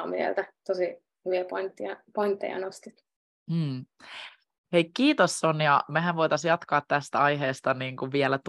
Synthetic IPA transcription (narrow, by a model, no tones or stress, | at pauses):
mḭḛlt̪æt̪osi | hyʋiæpont̪ːiɑpoint̪ːḛjɑ̰nost̪it̪̩ː | hejkkiːt̪osːonjɑmæɦæʋʋojt̪ɑsjɑt̪kɑːt̪t̪æst̪æɑjɦeːst̪ɑniːŋkuʋʋiɛlæt̪